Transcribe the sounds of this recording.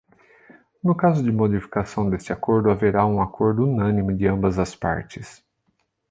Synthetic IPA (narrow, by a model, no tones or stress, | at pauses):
nʊkazʊd͡ʒɪmod͡ʒifi̥kasɐ̃w̃d̪est͡ʃɪakoɾd̪ʊaveɾaũakoɾd̪ʊunɐ̃nimʊd͡ʒɪɐ̃mbɐzɐspa̰ɾt͡ʃɪs